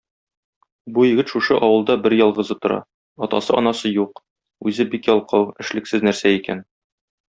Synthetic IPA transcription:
bujɘ̆ɡɘt̪ʃuʃɤʔɒwɤ̆lˠd̪ɑbɘɾjɒlˠʁɤ̆zɤt̪ŏɾɑ̰ | ɒt̪ɑ̰sɤʔɒnɑsɤjuq | ʉzɘbikjɒlˠqɤwɘ̆ʃlɘ̆ksɘznæɾsæikæn

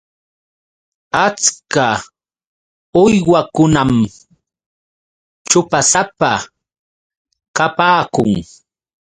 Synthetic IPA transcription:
at͡ska | ʊjwakʊnam | t͡ʃʊpasapa | kapaːkʊŋ

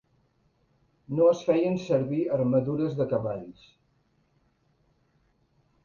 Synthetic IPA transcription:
noəsfɛjənsəɾβiəɾməðuɾəzðəkəβaʎs

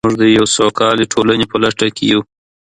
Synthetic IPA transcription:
muʐd̪əjawsokɑliʈʰolanepəlaʈakeju

